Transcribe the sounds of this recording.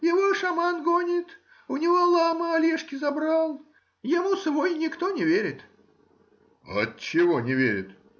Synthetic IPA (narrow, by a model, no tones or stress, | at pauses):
jɪvoʂɐmanɡonʲɪt̪ | ʊnʲɪvolˠaməɐlʲeʂkʲɪzɐbɾalˠ | jɪmusvojnʲɪkt̪onʲɪvʲeɾʲɪt̪ | ɐ̰tt͡ɕːɪvonʲɪvʲeɾʲɪt̪